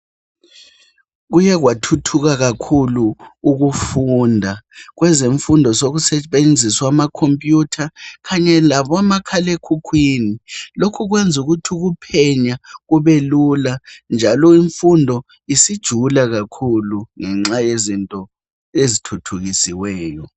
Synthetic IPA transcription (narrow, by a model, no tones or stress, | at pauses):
ɣ̬ujɛɣ̬watʰutʰuɣ̬aɣakʰuluːɣ̬ufundʱaɣwɛzeɱfundʱɔsoɣusɛɓend͡zʱiswamakʰompʼjutʰakʰaɲɛlaβɔamakʰalekʰukʰwiːnilokʰuɣ̬wend͡zʱuɣutʰuɣ̬upʰɛɲaɣuβeluland͡ʒʱalɔiɱfundʱɔ | isid̥ʒ̥ʱulaɣakʰuluŋɛŋ͡ǁajezintʼɔ | ezitʰutʰuɣisiwɛːjɔ